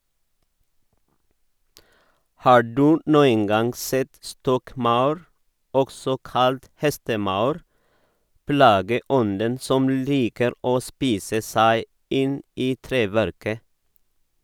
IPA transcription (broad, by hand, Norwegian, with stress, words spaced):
ˈhɑː ˈɖʉː ˈnuːən ˈɡɑŋ ˈsɛt ˈstɔkˌmɑʉɾ ˈɔksɔ ˈkɑlt ˈhɛstəˌmɑʉɾ ˈplɑːɡəˌɔndən ˈsɔm ˈliːkəɾ ˈoː ˈspiːsə ˈsæɪ ˈɪn ˈiː ˈtɾeːʋæɾkə